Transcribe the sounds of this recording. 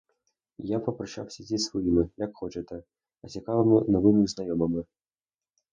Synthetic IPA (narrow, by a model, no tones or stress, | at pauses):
japɐpɾɐʂa̰wsʲid͡zʲesvɔjimɨjakxɔt͡ʃɐt̪ɐ | ɐt͡sʲikavɐmʲɨnɔvɨmʲɨznajɔmɐmɨ